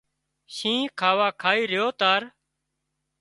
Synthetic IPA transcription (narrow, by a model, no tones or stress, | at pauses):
ʃĩːkʰaːʋaːkʰaːiːɾɪjoːt̪aːɾ